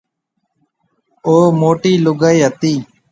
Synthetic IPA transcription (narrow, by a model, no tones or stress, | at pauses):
oːmoːʈiːlʊɡəiɦət̪iː